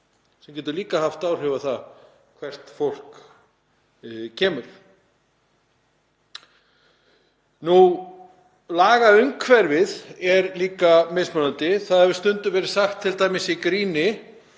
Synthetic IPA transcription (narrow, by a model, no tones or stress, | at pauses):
sɛmcɛːt̪ʏɾliːkahaft̪aːwr̥ɛvaθa | kʰvɛr̥t̪fowl̥k | cʰɛːmʏɾ̥ | nu | laːɣaʏmkʰvɛɾvɪðɛɾliːkamesmœnant̪ɪθaðɛɾvɪst̪ʏnt̪ʏvɛːɾɪ̥saxt̪ʰːɪlt̪aːjmɪsikɾiːnɪ